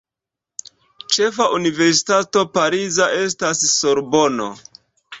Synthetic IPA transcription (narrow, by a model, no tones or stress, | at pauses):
t͡ʃe̞faʔunive̞ɾsi̥tato̞paɾizaʔe̞stasso̞ɾbo̞no̰